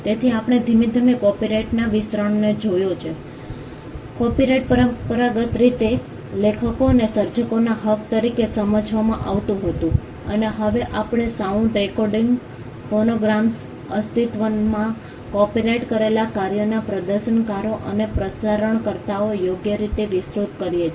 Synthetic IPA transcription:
t̪et̪ʰiapəɳ̃ed̪ʱimid̪ʱəmikɔpiɾeʈnaʋɪst̪ɾəɳned͡ʒojot͡ʃʰe | kɔpiɾeʈ̚pəɾpəɾaɡət̪ɾit̪e | lekʰəkonesəɾd͡ʒəkonaɦəʋt̪əɾikesəməd͡ʒʱʋamãʔaʋt̪ũɦət̪ũ | əneɦəʋeʔapɳ̃esaũʈ̪ɾekɔɾɖiŋɡ | fonoɡɾams | əst̪ʰit̪ʋənmã | kɔpiɾeʈkəɾelakaɾjonapɾəd̪əɾʃəɳkaɾoʔənepɾəsaɾəɳkəɾt̪aojoɡjəɾit̪eʋɪsɾut̪kəɾijet͡ʃʰ

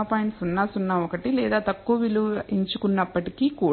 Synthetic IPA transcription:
ɐpaːjɳʈsunːaːsunːaɔkɐʈilɛːd̪aːt̪ɐkːuʋɐʋiluiɲt͡ʃukunːɐpːɐʈikikuː

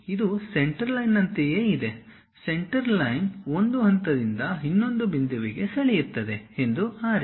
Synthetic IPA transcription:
id̪use̞ɳʈɐɾlɐjnːɐnt̪ejeːid̪e | se̞ɳʈɐɾlɐjno̞nd̪uɦɐnt̪ɐd̪ind̪ɐɦinːo̞nd̪ubind̪uʋiɡe̞sɐɭijiɾt̪ːɐd̪e̞e̞nd̪uaːɾi

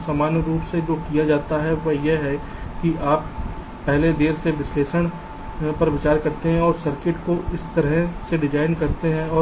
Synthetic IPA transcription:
saːmaːnjɾuːpsed͡ʒoːkijad͡ʒaːt̪aɦɛʋɐjeɦɛkiʔaːp | pɛɦled̪eːɾseʋɪsleːʃəɽ̃ | pɐɾʋɪt͡ʃaːɾkɐɾt̪eɦɛ̃ɔːɾsɐɾkɪʈkoʔɪst̪ɐɾɦseɖɪd͡ʒaːɪnkɐɾt̪eɦɛ̃ɔː

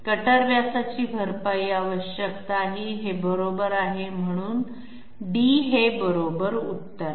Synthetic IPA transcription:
kəʈəɾʋjasat͡ɕiːbʱəɾpaiːaʋəɕjəkt̪aːɦiːɦebəɾobəɾaɦem̤əɽ̃uːn | ɖiɦebəɾobəɾut̪ːəɾ

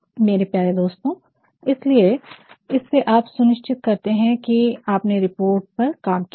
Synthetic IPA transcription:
meːɾepjaːɾed̪oːst̪õː | ɪslieɪsːeʔaːpsʊnɪʃt͡ʃɪt̪̚kɐɾt̪eɦɛ̃kiaːpneɾɪpoːɾʈ̚pɐɾkaːmki

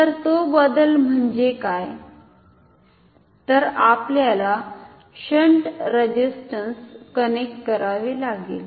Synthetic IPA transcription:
t̪əɾt̪obəd̪əlm̤əɳd͡ʑekaj | t̪əɾapljala | ɕəɳʈɾəd͡ʑisʈənskənek̚ʈkəɾaʋelaɡḛːl

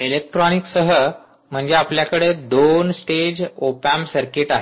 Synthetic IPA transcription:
elek̚ʈɾɔniksəɦə | m̤əɳd͡zeapljakəɽed̪onsʈed͡ʑopæmsəɾkeʈaɦe

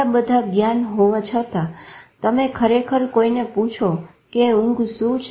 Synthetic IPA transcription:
abəd̪ʱaɡjanɦoʋat͡ʃʰət̪at̪əmekʰəɾekʰəɾkoinepũt͡ʃʰo | keũŋɡsũt͡ʃʰ

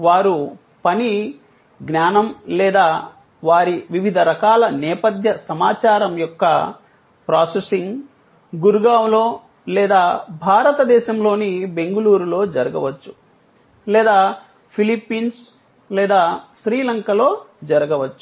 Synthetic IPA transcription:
ʋaːɾu | pɐni | ɡnaːnɐmlɛːd̪aː | ʋaːɾiʋiʋid̪ʱɐɾɐkaːlɐnɛːpɐd̪ʱjɐsɐmaːt͡ʃaːɾɐmjɔkːɐ̰ | pɾaːsesiŋɡ | ɡuɾuɡaːwlo̞ː | lɛːd̪aːbʱaːɾɐt̪ɐd̪ɛːʃɐmlo̞ːnibe̞ŋɡuluːɾulo̞ːd͡ʒɐɾɐɡɐʋɐt͡ʃːu̥ | lɛːd̪aː | pʰilipːiːns | lɛːd̪aːʃɾiːlɐŋkɐlo̞ːd͡ʒɐɾɐɡɐʋɐt͡ʃːu

